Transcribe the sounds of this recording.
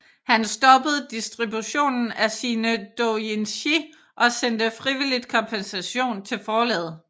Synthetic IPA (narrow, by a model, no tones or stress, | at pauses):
hænsd̥ɒ̽b̥əð̞̩ˠd̥isd̥ʁibuɕo̝̰ːnn̩æsiːnəd̥oenɕi | ʔɒ̽send̥əfʁiʋilid̥̚kʰɒ̽mpʰensæɕo̝̰ːnt͡sʰe̝lfɒːlɛ̰ːð̩ˠ